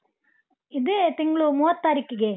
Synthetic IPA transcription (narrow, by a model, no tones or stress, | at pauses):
ɪðɯt̪ɪŋɡɐɭumʊɐt̪ːaːɾɪkːɯɡeː